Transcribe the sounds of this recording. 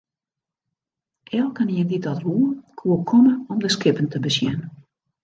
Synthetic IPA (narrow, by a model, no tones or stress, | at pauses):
ʔɛlˠkəniənditɔtɦuːəkʰuəkʰɔməɔmdəskɪpən̩tʰəbəsjɛn